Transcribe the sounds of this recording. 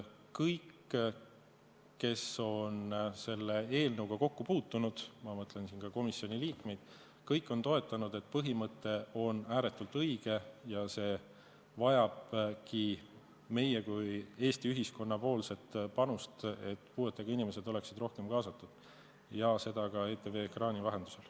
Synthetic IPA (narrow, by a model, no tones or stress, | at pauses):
kɤjkː | e̞so̞nse̞lːe̞e̞ːlnɤwɡ̥ɑko̞kːupuːt̪ːˑunud̪̥mɑmɤt̪ˑle̞nsinkɑko̞misːio̞nʲiliːkme̞jd̪̥ | kɤjkːˑo̞nt̪o̞e̞t̪ːˑɑnud̪̥e̞t̪̚ːpɤɦimɤt̪ːe̞o̞næːɾe̞t̪ːˑult̪ɤjɡ̥e̞jɑse̞ː | vɑjɑb̥ki | me̞jekuje̞ːst̪iyɦisko̞nːɑpo̞ːlse̞t̪pɑnust̪e̞t̪ːˑpuːe̞t̪ːˑeɡ̥ɑinimese̞d̪o̞le̞ksid̪ro̞hke̞mkɑːsɑt̪ːˑud̪̥ | jɑse̞d̪̥ɑkɑe̞ːt̪ːeveːkrɑːnʲivɑɦe̞nd̪̥use̞l